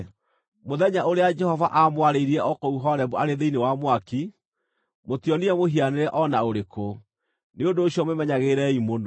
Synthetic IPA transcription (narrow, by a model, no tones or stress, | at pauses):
moðɛɲaoɾead͡ʒɛhɔvaʔamwaɾeiɾiɛʔɔkɔuɦɔɾɛβuaɾeðeinewamwaki | motiɔniɛmoɦianeɾɛʔɔnaoɾeko | neondoːɕjɔmemɛɲaɣeɾɛimono